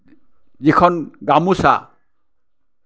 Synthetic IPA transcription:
zikʰɔnɡamusa̰

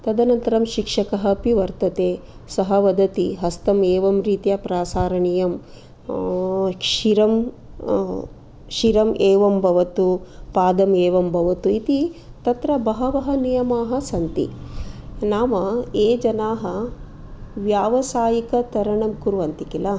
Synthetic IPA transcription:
t̪ɐd̪ɐnɐnt̪ɐɾɐmʃikʂɐkɐɦɐpiʋɐɾt̪ɐt̪eːsɐɦɐʋɐd̪ɐt̪iɦɐst̪ɐmeːʋɐmɾiːt̪jɐpɾaːsaːɾɐɳijɐm | kʃiɾɐm | ʃiɾɐmeːʋɐmbʱɐʋɐt̪upaːd̪ɐmeːʋɐmbʱɐʋɐt̪uit̪it̪ɐt̪ɾɐbɐɦɐʋɐɦɐnijɐmaːɦɐsɐnt̪ḭ | naːmɐeːd͡ʒɐnaːɦɐ | ʋjaːʋɐsaːjikɐt̪ɐɾɐɳɐmkuɾuʋɐnt̪ikilɐ

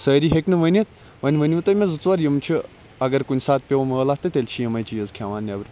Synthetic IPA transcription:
səːɾiɦeknɨʋɐnʲit̪ | ʋɐnʲʋənʲiʋɨt̪ɐmʲezɨt͡sʋɐɾjɐmt͡ʃʰi | ɐɡɐɾkunʲsaːt̪̚pʲeʋɐməlaːht̪ɨt̪ʲelʲt͡ʃʰijɐmɐjt͡ʃʰijɐzkʲʰaːʋaːnːʲɐbɾ

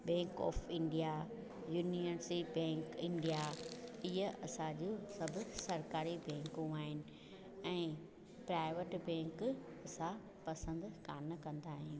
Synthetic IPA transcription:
bɛ̃ːŋkɔ̰ːfɪ̃ɳɖija | juːniʋəɾsibɛ̃ːŋkɪ̃ɳɖijaɪɦəɐsãd͡ʑosɐbʱʊsɐɾkaːɾibɛ̃ːŋkũaːɦɪnɪ̆ | ɛ̃ː | pɾaːɪʋəʈbɛ̃ːŋk | ɐsã | pɐsə̃nd̪kaːnkɐ̃nd̪aːɦĩ

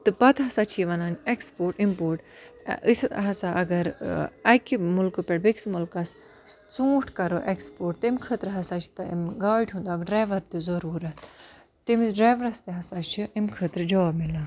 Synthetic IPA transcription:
t̪ɨpɐt̪ɦɐsaːt͡ʃʰiʋɐnaːnʲekspoːɾʈimpoːɾʈist̪ɦɐsaʔɐɡɐɾɐkimulkɨpeɽbeksmulkɐs | t͡sũːʈʰkɐɾoʔekspoːʈt̪imkʰət̪ɾɦɐsaːt͡ʃʰi̥t̪ɐḭmɡaːʈʲɦũnd̪aːɡɖɾaːjʋɐɾt̪izɐɾuːɾɐt̪ʰ | t̪imɖɾaːʋɐɾɐst̪iɦɐsaːt͡ʃʰiʔimkʰət̪ɾd͡ʒoːbmilãː

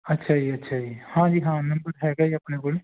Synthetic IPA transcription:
ɐtːʃʰaːd͡ʒieɐtːʃʰaːd͡ʒiehãːd͡ʒiɦãːnɐ̃mbəɾɦɛɡɐiɐpnekole

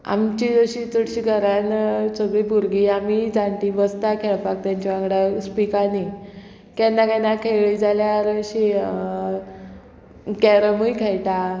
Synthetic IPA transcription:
a̰mt͡ɕid͡zəɕit͡səɽɕiːɡʱəɾansəɡɭiːbuɾɡiːamid͡zãɳʈ̪ibəst̪akʰɛɭpak̚t̪jãɲt͡ɕiʋãŋɡɽaspikani | kanːakanakʰeɭiːd͡zaljaɾəɕi | kɛɾəmujkʰajʈ̪a

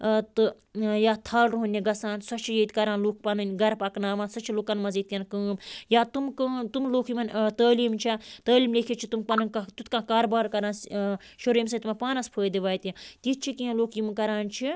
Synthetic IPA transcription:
t̪ɨ | jaːt̪ʰaːlɾuɦunʲːiɡɐsãːnsɐt͡ʃʰijeːt̪ʲkɐɾãːnloːk̚pɐnɨnʲɡɐɾpɐknaːmãːnsɐt͡ʃʰiloːkɐnmɐziːt̪ʲjɐnkəːmjaːt̪umkət̪umloːkʰjimɐnʲt̪əːliːmt͡ʃʰat̪əːliːmleːkʰit͡ʃʰit̪umpɐnɐnʲat̪ut̪kãːkaːɾbaːɾkɐɾãːnsʃoɾeːmsɐt̪mɐpaːnɐspʰəːjd̪iʋaːt̪jat̪it̪̚t͡ʃʰikiẽloːkʰjimɐkɐɾaːnt͡ʃʰi

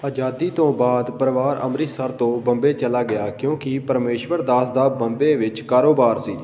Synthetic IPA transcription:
əd͡ʒaːd̪iːt̪õːbaːd̪pəɾʋaːɾə̰mɾiːsəɾt̪õːbə̃mbeːt͡ʃəlaːɡɪjaːkjõːkɪpəɾmeːʃʋəɾd̪aːsd̪aːbəmbeːʋɪt͡ʃkaːɾoːbaːɾsiː

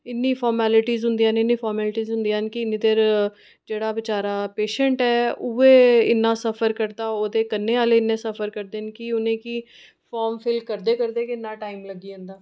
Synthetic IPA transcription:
ɪnːiːpʰɔːɾmɛːlɪʈiːzɦʊnd̪ijãːnɪnːiːpʰɔːɾmɛːlʈiːzɦʊ̃nd̪ijãːnkɪnid̪eɾ | d͡ʒeːɽaːbɪt͡ʃaːɾaːpeːʃəɳʈɛːʊeːɪ̰nːãːsəpʰəɾkəɾd̪aːoːd̪eːkənːeːaːleːɪnːẽːsəpʰəɾkəɾd̪eːnkiʊnẽːkiː | pʰɔːɾmpʰɪlkəɾd̪eːkəɾd̪eːkɪɪnːãːʈaːimləɡiːɦə̃nd̪aː

